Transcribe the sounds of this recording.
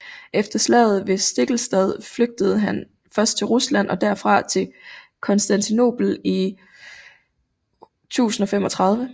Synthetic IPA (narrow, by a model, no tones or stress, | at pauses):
ʔefd̥ɐslɛ̰ːð̞̩ˠʋe̝sd̥e̝ɡ̥l̩sd̥ɛð̞ˠfløɡ̥̚d̥əð̞̩ˠɦæn | fɶɐsd̥̚t͡sʰe̝lʁuslæn̰ʔɒ̽d̥æɐfʁɑ̈t͡sʰe̝lkʰɒ̽nsd̥ænt͡sʰino̝̰ːb̥l̩i | t͡sʰṵːsn̩ɒ̽fem̰ɒ̽t͡sʰʁɑ̈ð̞ˠʋə